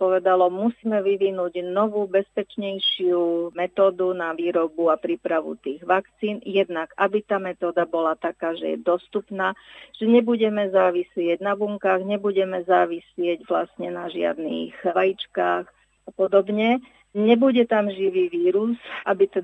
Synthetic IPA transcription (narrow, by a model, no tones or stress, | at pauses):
pɔʋɛd̪alɔmusiːmɛʋiʋinuɟnɔʋuːbɛspɛt͡ʃɲɛjʃɪumɛt̪ɔːd̪unaʋiːɾɔbuapɾiːpɾaʋṵt̪iːɣʋakt͡siːnjɛd̪nakabit̪aːmɛt̪ɔːd̪abɔlat̪akaːʒɛ̰jɛ̰d̪ɔst̪upnaːʒ̥ɛɲɛbuɟɛmɛzaːʋisɪɛɟnabuŋkaːɣɲɛbuɟɛmɛzaːʋisɪɛɟʋlasɲɛnaʒɪa̰d̪nḭːxʋajit͡ʃkaːx | apɔd̪ɔbɲɛ | ɲɛbuɟɛt̪amʒiʋiːʋiːɾuzʔabit̪ɛ